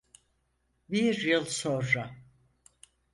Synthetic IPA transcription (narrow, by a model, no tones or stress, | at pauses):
biɾjɯlˠsõnɾa